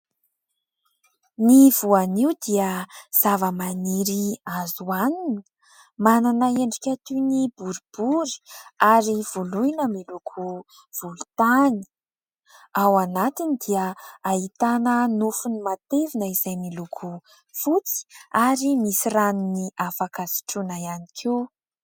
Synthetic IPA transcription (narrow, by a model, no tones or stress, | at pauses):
nivuaniwd̪iəz̥avəmaniɾiazuaninə | mananaeɳɖ͡ʐikʲat̪unibuɾub̥uɾi̥aɾiv̥uluinəmilukʰu | v̥ulut̪ani̥ | awanat̪inid̪iəaɦit̪anənufunimat̪evinəizajmilukʰu | fut͡si̥aɾimisiraniniʔafakazi̥ʈ͡ʂunaianikʰiw